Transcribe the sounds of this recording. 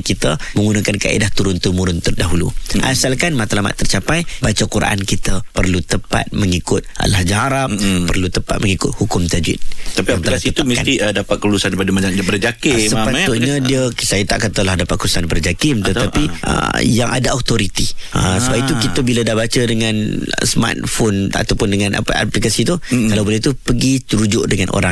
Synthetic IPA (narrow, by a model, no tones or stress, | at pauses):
kit̪əmə̃ŋɡunakanka̰ʔḭdaht̪uɾʊnt̪umuɾʊnt̪ərdaɦulṵʔa̰salkanmat̪alama̰t̪ːərt͡ʃapajbat͡ʃakuɾa̰ʔa̰nkit̪əpərlut̪əpa̰t̪̚məŋikʊt̪̚a̰lahd͡ʒaɦaɾap̚pərlut̪əpat̪̚məŋikʊt̪̚hukʊmt̪ad͡ʒɪ̰t̪̚t̪apiamt̪alasit̪uamənt̪iədapat̪̚kəlulusanipadamad͡ʒaŋbərd͡ʒakɪsəpat̪ʊʔɲadiəsajət̪aʔkat̪alahdapat̪̚kəɾusanbəɾd͡ʒakɪmt̪ət̪t̪apiʔə̰jaŋʔa̰daat̪oɾit̪iəsəbapit̪ukit̪əbiladabat͡ʃədəŋãnsma̰t̪̚fona̰t̪awpʊndəŋãnʔa̰pa̰a̰plikasit̪ukalawbolɛht̪upəɡit̪əɾud͡ʒʊʔdəŋanʔo̰ɾaŋ